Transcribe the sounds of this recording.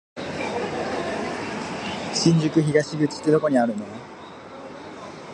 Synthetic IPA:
ɕĩnd͡ʑɯkɯçiɡaɕiɡɯt͡si̥t̪eɾokoɲiaɾɯno

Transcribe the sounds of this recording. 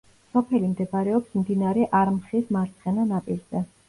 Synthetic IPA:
sɔpʰɛlimd̪ɛbaɾɛɔpsmd̪inaɾɛʔaɾmχismaɾt̪sʰχɛnanapʼiɾz̥ɛ

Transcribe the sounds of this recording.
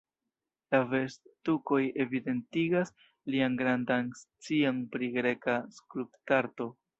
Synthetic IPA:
lave̞sttuko̞je̞vide̞ntiɡas | lianɡɾandanst͡sianpɾiɡɾe̞kaskluptaɾto̞

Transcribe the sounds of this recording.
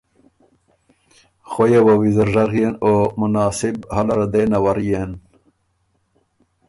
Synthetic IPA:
xojewawizəɾʐaɣjenoːmunaːsibhalaɾad̪eːnawaɾijen

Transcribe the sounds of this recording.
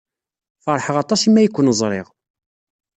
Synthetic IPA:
fɑɾˤħəʁɑt̪ˤɑsimːæjəkʷːnəzˤɾˤḛʁ

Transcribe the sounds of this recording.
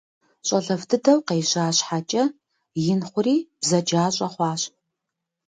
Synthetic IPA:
ɕʼɐɮɐvdɨdɐwqeːɕaːɕħat͡ʃʼɐ | jɪnχʷʊɾiːb̥zɐd͡ʒaːɕʼɐχʷɑːɕ

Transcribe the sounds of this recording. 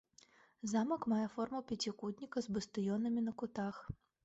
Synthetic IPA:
zamɐkmajɛfɔrmɐwpʲɛt͡sʲikud̪ʲnʲikɐzbɨst̪ɨjɔnɐmʲinɐkut̪ax

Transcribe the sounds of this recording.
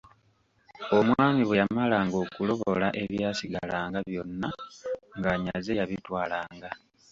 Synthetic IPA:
o̞mwaːmiβwe̞jamalaŋɡo̞ːkulo̞βo̞laʔe̞βjaːsiɡa̰laːŋɡaβjo̞nːaŋɡaɲazejaβitwaːlaːŋɡa

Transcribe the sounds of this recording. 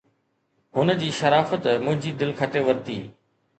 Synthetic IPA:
ɦʊnəd͡ʑiːʃɐɾaːfət̪mʊ̃ɦɪ̃ɲd͡ʑiːd̪ɪlkʰɐʈeʋɐɾt̪iː

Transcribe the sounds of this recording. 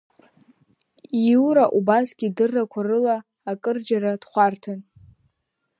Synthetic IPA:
iwɾaʔubasɡʲidɨrːakʷʰarɨlaː | kʼɨrd͡ʒaɾad̥χʷartʰan

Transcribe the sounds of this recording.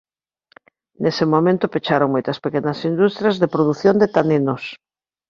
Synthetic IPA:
nesemomẽnt̪ʊpet͡ʃaɾoŋmojt̪ɐspekenɐsind̪ust̪ɾjɐzðepɾoðuθjond̪et̪anenos

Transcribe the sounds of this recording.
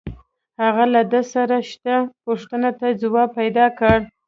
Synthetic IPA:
haɣalad̪əsaɾaʃt̪apoʂt̪ənat̪ad͡zʊwɑpajd̪ɑkəɽ

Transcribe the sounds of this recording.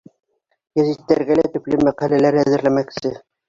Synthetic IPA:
jæzit̪ːæɾɡælæt̪ɵ̆plɘmæqælælæɾæzɘ̆ɾlæmæksɘ

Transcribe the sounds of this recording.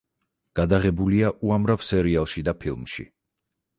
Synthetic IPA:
ɡ̥ad̪aʁɛbuliaʔuamɾav̥sɛɾialˠʃid̪apʰilˠmʃḭ

